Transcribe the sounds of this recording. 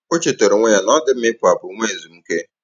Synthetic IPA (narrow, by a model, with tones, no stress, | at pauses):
o˦t͡ʃe˨to˨ɾe˨ŋʷe˦ɲa˨nɔ˦dɪ˦m̩˦ɪ˦pʊ˨a˨bʊ˨˦ŋʷe˦˨zu˨m̩˦ke˦